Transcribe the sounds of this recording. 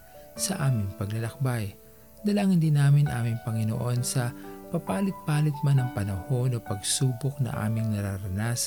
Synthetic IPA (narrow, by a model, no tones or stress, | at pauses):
sɐʔaːmɪŋpɐɡlɐlɐk̚baj | d̪ɐlaŋɪnd̪inaːmɪnʔaːmɪŋpɐŋɪno̰ʔo̞nsɐpɐpaːlɪt̪̚paːlɪt̪̚manɐŋpɐnɐho̞nopɐɡsuːbok̚nɐ̰ʔa̰ːmɪŋnɐɾaɾɐnas